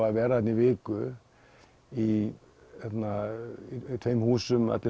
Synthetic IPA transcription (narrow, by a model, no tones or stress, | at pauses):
aðvɛːɾaθɛt̪nɪvɪːkʏ | i | hɛt̪na | t̪ʰvejmhuːsʏma̰t̪lɪ